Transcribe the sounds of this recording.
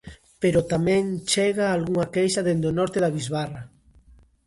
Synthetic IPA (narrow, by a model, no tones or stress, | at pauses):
peɾot̪amẽŋt͡ʃeɣaːlɣuŋakejʃaðend̪onɔɾt̪eðaβizβara